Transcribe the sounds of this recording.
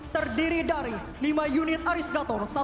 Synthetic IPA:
t̪ərdiɾidaɾi | limajunɪt̪̚aɾisɡat̪ɔrsa

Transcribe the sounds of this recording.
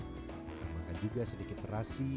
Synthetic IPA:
makad͡ʒuɡasədikɪt̪rasi

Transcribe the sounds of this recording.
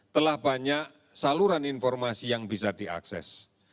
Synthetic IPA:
t̪əlahb̥aɲaʔ | saluɾaninfɔrmasijaŋbisad̥iʔa̰ksɛ̰s

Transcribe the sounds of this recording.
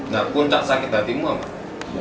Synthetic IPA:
nakunt̪aʔsakɪt̪̚d̪at̪iŋmuama̰

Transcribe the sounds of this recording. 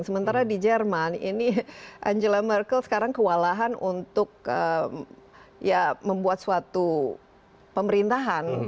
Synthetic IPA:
ŋsəmənt̪aɾadid͡ʒɛrmanḭniʔa̰ɲd͡ʒəlamɛrkəlsə̥kaɾaŋkəwalaɦanunt̪ʊk̚əm | jaməmbuat̪̚suat̪u | pəməɾint̪aɦan

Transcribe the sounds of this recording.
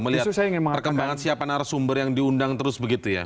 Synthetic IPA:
məliatusajaiŋɪnmaŋpərkəmbbaŋansiapanaɾasumbərjaŋdiundaŋt̪əɾʊsbəɡit̪uja̰

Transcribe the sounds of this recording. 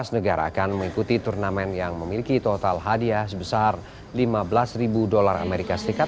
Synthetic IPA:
asnəɡaɾa̰ːkanməŋikut̪it̪urnamɛnjaŋməmilikit̪ot̪alɦadiasəbəsar | limabəlasribudolara̰meɾikasəɾikat̪

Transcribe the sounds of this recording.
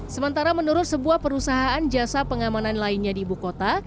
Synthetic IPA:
səmənt̪aɾamənuɾʊt̪̚səbuahpəɾusaɦaand͡ʒasapəŋamananlainɲadiːbukot̪a

